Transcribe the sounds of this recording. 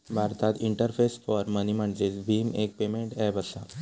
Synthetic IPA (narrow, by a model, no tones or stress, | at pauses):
bʱaɾt̪at̪iɳʈəɾfesfɔɾməniməɳd͡zesbʱiːmek̚pemeɳʈɛbəsa